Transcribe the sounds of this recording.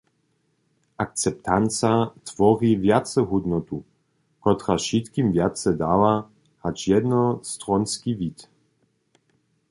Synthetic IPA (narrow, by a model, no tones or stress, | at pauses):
ʔak̚t͡sɛp̚t̪ant͡sat̪v̥ɔʁivjat̪t͡sɛɦud̪nɔt̪u | kɔt̪ʁaʃit̪kimvjat̪t͡sɛd̪aːva | hat͡ʃjɛd̪nɔst̪ʁɔnskivit̪